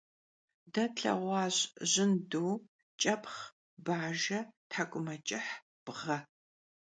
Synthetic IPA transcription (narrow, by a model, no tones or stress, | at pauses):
dɐɬʰʼɐ̰ʁʷɑːɕʑɪnduː | t͡ʃʼɐpʰʼχ | baːʒɐtʰħakʷʼʊmɐt͡ʃʼɪħ | b̥ʁɐ